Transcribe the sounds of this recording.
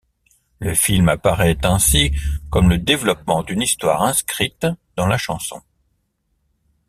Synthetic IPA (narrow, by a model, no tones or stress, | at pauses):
ləfilmapaʁɛt̪ɛ̃sikɔmləd̪evlɔp̚mɑ̃d̪ynist̪wa̰ʁɛ̃skχit̪d̪ɑ̃laʃɑ̰̃sɔ̰̃